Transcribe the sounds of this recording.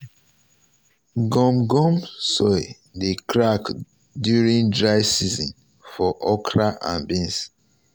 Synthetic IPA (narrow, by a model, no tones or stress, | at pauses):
ɡɔ̃mɡɔ̃msɔɪ | dekɹak | djuɹĩndɹaɪsizɔ̃n | fɔʔɔkɹaʔã̰nbĩns